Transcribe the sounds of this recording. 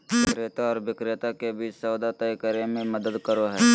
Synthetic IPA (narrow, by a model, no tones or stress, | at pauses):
ʋɪkɾeːt̪aɔːɾʋɪkɾet̪akebʱiːsɐwd̪at̪əikəɾemẽməd̪əd̪kəɾoɦɛː